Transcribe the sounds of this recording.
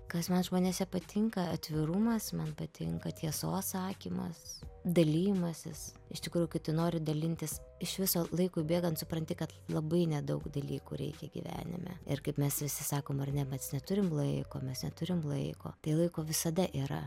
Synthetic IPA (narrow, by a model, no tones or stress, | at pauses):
kɐsmɐnʒmoːnʲeːsʲɛpɐt̪ʲʰɪŋkɐɐt̪ʲʋʲɪrʊmɐsmɐnpɐt̪ʲɪŋkɐt̪ʲiɛsoːsɑːkʲiːmɐ̰sd̪ɐlʲiːjɪmɐsʲɪs | ɪʃt̪ʲɪkɾuːjʊkɐɪpt̪ɐɪnoːɾʲɪd̪ɐlʲɪnʲt̪ʲɪsɪʃʋʲɪsoːlˠɐɪkoːbʲeːɡɐnt̪sʊpɾɐnʲt̪ʲɪkɐt̪lˠɐbɐɪnʲɛd̪ɐʊɡd̪ɐlʲiːkṵːɾʲɛ̰ɪkʲɛɡʲḭʋʲæ̰ːnʲɪ̰mʲɛ̰ɪrkɐɪpmʲɛsʋʲɪsʲɪsɑːkoːmɐrnʲɛmʲɛsnʲɛt̪ʊɾʲɪmlˠɐɪko̰ːmʲɛsnʲɛt̪ʊɾʲɪmlˠɐɪko̰ːt̪ɐɪlˠɐɪkoːʋʲɪsɐd̪ɐʔiːɾɐ̰